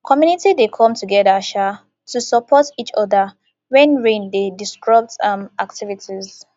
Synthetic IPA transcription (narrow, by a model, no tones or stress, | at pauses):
kʰɔmjunitidekʰɔ̃mtʰuɡɛdaʃa | tusəpʰɔtit͡ʃɔðə | wɛ̃nɹẽndedistɹɔp̚tãmak̚tivitʰiz